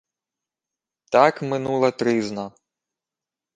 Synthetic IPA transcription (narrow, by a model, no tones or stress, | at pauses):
t̪ɑkmɪnulˠɐt̪ɾɪznɐ